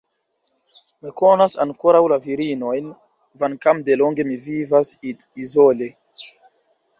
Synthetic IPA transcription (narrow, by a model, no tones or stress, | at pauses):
mikonasaŋkoɾawlaviɾino̞jn | vankamdeloŋɡe̞mivivasizole